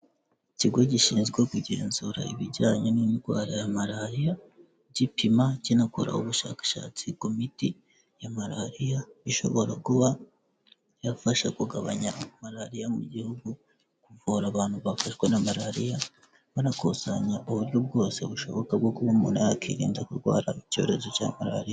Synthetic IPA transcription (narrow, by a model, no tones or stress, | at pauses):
iciɡwoɟiʃinzɡwokuɟeːnzuɾa̰iβiɟaːɲenumiɾɡwa̰ːɾajamaɾaɾija | ɟipimacinakoɾa̰uβuʃa̰ːkḁʃa̰ːt͡sikomiti | jamaɾaɾijaiʃo̞̰βo̞ɾakuβa | jafaʃakuɡaβa̰ɲamaɾaɾijamuɟihuɡu | kuvuːɾaβaːnhuβafaʃwe̞namaɾaɾija | βanakosaɲaʔoβuɾjub̚ɡo̞ːse̞βuʃo̞βo̞kabɡokuβamunajakiɾḭːndakuɾɡwa̰ːɾa̰ico̞̰ːɾe̞zo̞ca̰ːmaɾa̰ɾija